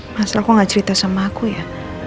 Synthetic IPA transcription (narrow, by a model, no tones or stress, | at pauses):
masalakoŋat͡ʃaɾit̪asamakuja